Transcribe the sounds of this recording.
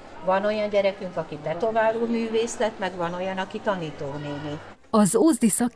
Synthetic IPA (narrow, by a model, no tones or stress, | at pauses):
vɒno̞jɒɲɟɛɾɛkyŋkɒkit̪ɛt̪o̞vaːluːlmyːveːslɛt̪mɛɡʋɒno̞jɒnɒkit̪ɒniːt̪oːneːni | ɒzoːzd̪isɒk